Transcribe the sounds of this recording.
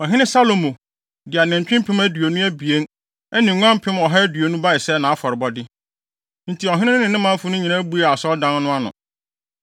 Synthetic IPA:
ɔ˨ɦɪ˦nɪ̃˦sa˦lo˨mõ˨ | dɪ˨a˨nɪ̃˨ɲ˨t͡ɕᶣɪ̃˦m˦pʰɪ̃˦mæ˦dɥo˨nũ˦æ˦bi˨e˦n | ɛ˦nɪ̃˨ŋʷ˦ã˦m˦pʰɪ̃˦mɔ˨ɦa˦dɥo˨nũ˦ba˦ɪ˨sɛ˦˨nã˨a˦fɔ˨ɾɪ˨bɔ˦dɪ˦ | n̩˨tʰi˨ɔ˨ɦɪ˦nɪ̃˦ɪ̃˦nɪ̃˨nɪ̃˦mã˦fʊ˦nʊ̃˦ɲĩ˨nã˦bu˦a˨a˨sɔ˦dã˦n˦nʊ̃˦a˦nʊ̰̃˨

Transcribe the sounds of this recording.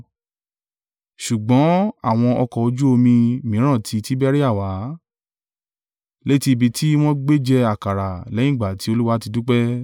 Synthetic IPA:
ʃu˨ɡ͡bɔ̃˨˦a˦˨w̃ɔ̃˧ɔ˧kɔ˨o˧d͡ʒu˦o˧mĩ˧mĩ˨˦ɾ̃ã˦˨tʰi˨˧ti˦bɛ˦ɾi˦a˦˨wa˨˦ | le˦ti˧bi˧tʰi˦w̃ɔ̃˦ɡ͡be˦d͡ʒɛ˧a˨ka˨ɾa˨lɛ̃˨˦ĩ˦˨ɡ͡ba˨ti˧˦o˧lu˦wa˦ti˧du˦k͡pɛ˦

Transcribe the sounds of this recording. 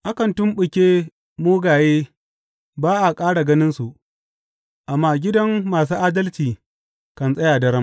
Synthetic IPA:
ʔa˦kɐ˨ntʊ˦mɓʊ˨kʲeː˦ | moː˦ɡaː˨jeː˦ | baː˦ʔa˨kʼaː˦ɽa˨ɡɐ˦nɪ˦nsu˨ʔ | ʔa˨mːaː˦ɡʲɪ˦dɐ˦mːaː˨s̬uː˦ʔaː˦dɐ˦lt͡ʃiː˨ | kɐ˨nsʼɐ˦jaː˨dɐ˦ɾɐ˦m

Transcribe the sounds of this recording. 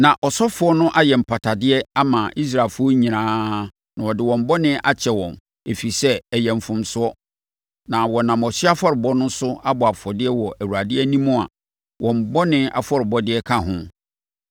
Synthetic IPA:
nã˨ʔɔ˨sɔ˦fʊ˨˦ɔ˦nʊ̃˦ʔa˦jɛ˨m̩˨pʰa˨tʰa˨dɪ˦ɛ˦a˦mã˨ʔi˦s̬ɾaː˨fʊ˦ɔ˦ɲĩ˨nãː˦ | nã˨wɔ˨dɪ˨wɔ̃˨mbɔ˦nɪ̃˦ʔa˦t͡ɕʰɛ˨wɔ̃˨m | e˨fi˨sɛ˦æ˨jɛ̃˨m˨fʊ̃˨msʊ˦ɔ˦ | nã˨wɔ˨nã˨mɔ˨ɕɪ˦a˦fɔ˦ɾɪ˨bɔ˦nʊ̃˦sʊ˦a˦bɔ˨a˨fɔ˨dɪ˦ɛ˦wɔ˨ʔæ˨wu˨a˨dɪ˦ɛ˦nĩ˦mʊ̃˦a̰˨ | wɔ̃˨m˨bɔ˦nɪ̃˦a̰˨fɔ˦ɾɪ˨bɔ˦dɪ˦ɛ˦kʰa˦ɦʊ̃˦

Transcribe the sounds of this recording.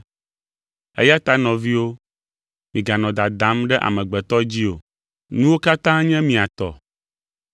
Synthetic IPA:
ḛ˦ja˦t̪a˦nɔ̃˨vi˦wo˦ | mĩ˨ɡa˨nɔ̃˨d̪a˨d̪ã˨˦mɖɛ˦ʔa̰˨mɛ̃˨ɡ͡bɛ˨t̪ɔ˦d͡ʑi˦o̰˨ | nũ˦wo˦ka˦t̪ã˦ɲɛ̃˦mĩ˨a˨t̪ɔ̰˨

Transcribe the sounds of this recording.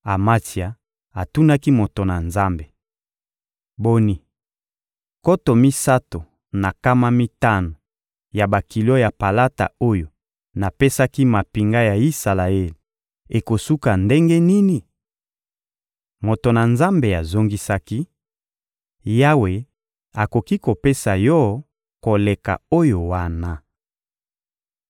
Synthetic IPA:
a˨ma˦ti˨a˨ | a˨tu˦na˦ki˦mo˨to˨na˨nza˦mbe˨ | bo˦ni˨ | ko˦to˨mi˦sa˦to˨ | na˨ka˦ma˦mi˦ta˦no˨ | ja˨ba˨ki˨lo˦ja˨pa˨la˦ta̰˨o˦jo˨ | na˨pe˦sa˦ki˦ma˨pi˨ŋɡa˦ja˨i˦sa˨la˨e˦li˨ | e˨ko˨su˦ka˨nde˦ŋɡe˦ni˦ni˨ | mo˨to˨na˨nza˦mbe˨a˨zo˦ŋɡi˦sa˦ki˦ | ja˦we˨ | a˨ko˨ki˦ko˨pe˦sa˨jɔ˦ | ko˨le˨ka̰˨o˦jo˨wa˦na˨

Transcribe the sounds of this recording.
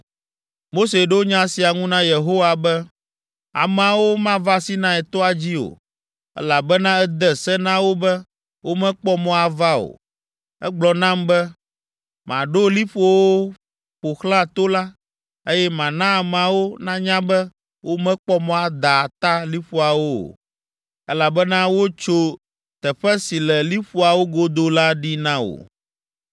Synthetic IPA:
mo˦se˨ɖe˦wo˦ɲã˦si˨a˨ŋũ˦nã˦je˨ɦo˦wa˨bɛ˦ | a̰˨mɛ˨a˨wo˦mã˦va˦si˦nã˦ɛ˨t̪ɔ˦a˨d͡ʑi˦o̰˨ | ɛ̰˦la˨bɛ˦nã˦ɛ˦d̪ɛ˦sɛ˦nã˦wo˦bɛ˦ | wo˦mɛ̃˦k͡pɔ˦mɔ̃˦a˨va˦o̰˨ | ɛ̰˦ɡ͡blɔ˨nã˦mbɛ˦ | mã˨ɖo˦li˦ɸo˦wo˦ | ɸo˨xlã˦t̪o˦la˦ | e˦jɛ˦mã˨nã˦˨mã˨wo˦nã˦ɲã˦bɛ˦ | wʔo˦mɛ̃˦k͡pɔ˦mɔ̃˦a˨d̪a˨t̪a˦li˦ɸu˦a˨wo̰˦˨ | ɛ˦la˨bɛ˦nã˦wo˦t͡ʃo˦ | t̪ɛ˨ɸɛ˦si˨lɛ˨li˦ɸu˦a˨wo˦ɡo˦d̪o˦la˦ɖi˦nã˦o̰˨

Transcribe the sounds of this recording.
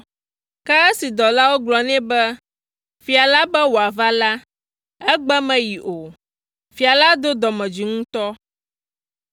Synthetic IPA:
kɛ˦ɛ˦si˨d̪ɔ˨la˦wo˦ɡlɔ˨nɛ̃˦bɛ˦ | fi˨a˨la˦bɛ˦wo˨a˨va˦la˦ | ɛ˦ɡ͡bɛ˦mɛ̃˨ji˨ʔo˨ | fi˨a˨la˦d̪o˦d̪ɔ˨mɛ̃˨d͡ʒi˨ŋũ˦t̪ɔ˦

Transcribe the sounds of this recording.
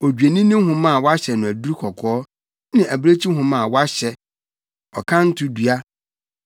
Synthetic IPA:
o˨d͡ʑɥe˨nĩ˦nɪ̃˦ɦʊ̃˦mã˦˨wa˦ɕɛ˨nʊ̃˨æ˨du˦ɾi˦kʰɔ˨kʰɔː˦ | nɪ̃˨ʔæ˨bɾe˦t͡ɕʰi˦ɦʊ̃˦mã˦˨wɔ˦a˦ɕɛ˨ | ɔ̰˨kʰã˦n̩˦tʰʊ˦du˨a˦

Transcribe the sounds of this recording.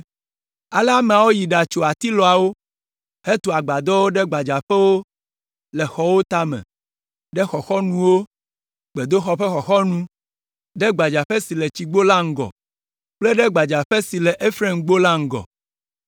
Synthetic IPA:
a˨lɛ˦a˦mẽ˨a˨wo˦ji˨ɖa˨t͡ʃo˨a˨t̪i˦lɔ˨a˨wo˦ | he˦t̪o˨a˨ɡ͡ba˨d̪ɔ˦wo˦ɖɛ˦ɡ͡ba˨d͡ʒa˨ɸɛ˦wo˦ | lɛ˨xɔ˨wo˦t̪a˦mɛ̰̃˨ | ɖɛ˦xɔ˨xɔ˦nũ˦wo˦ | ɡ͡be˨d̪o˦xɔ˨ɸɛ˦xɔ˨xɔ˦nũ˦ | ɖɛ˦ɡ͡ba˨d͡ʒa˨ɸɛ˦si˨lɛ˨t͡ɕi˨ɡ͡bo˦la˦ŋ̩˦ɡɔ̰˨ | k͡plɛ˦ɖɛ˦ɡ͡ba˨d͡ʒa˨ɸɛ˦si˨lɛ˨ʔe˦fɾe˦ŋɡ͡bo˦la˦ŋ̩˨ɡɔ̰˨

